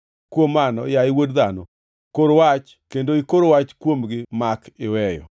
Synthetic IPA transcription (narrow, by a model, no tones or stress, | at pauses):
kwomːanɔ̰jaɪwodd̪anɔ̰ | koɾwat͡ʃ | kendoikoɾowat͡ʃkwomɡɪmakɪwɛjɔ̰